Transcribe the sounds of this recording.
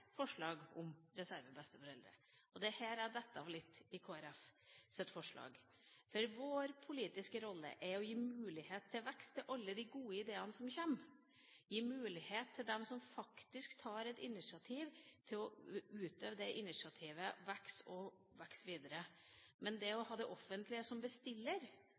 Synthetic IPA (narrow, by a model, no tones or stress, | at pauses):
fɔʂɭɑːɡʊmɾɛsæɾʋəbɛst̪əfɔɾɛld̪ɾə̰ʔɔd̪ɛhæːɾæɖ̪ɛt̪ːəɑʋlɪt̪ːɪkʰoːæɾɛfsɛt̪ːfɔʂɭɑ̰ːɡ | fɔɾʋoːɾpʰʊliːt̪ɪskəɾɔlːə̰ʔɛɾɔjiːmʉːlɪheːt̪ʰːɪlʋɛkst̪ʰːɪlʔɑlːəd̪ɪɡuːəɪd̪eːənəsɔmçɛm | jiːmʉːlɪheːt̪ʰːɪld̪ɛmsɔmfɑkt̪ɪskt̪ʰɑːɾɛt̪ɪnɪʂɪɑt̪ʰiːʋt̪ʰɪlɔʉːt̪øːʋəd̪ɛʔɪnɪʂɑt̪ʰiːʋəʋɛksɔ | ʋɛksʋiːd̪əɾəmɛnd̪ɛɔhɑːd̪ɛʔɔfənt̪lɪəsɔmbəst̪ɪlːəɾ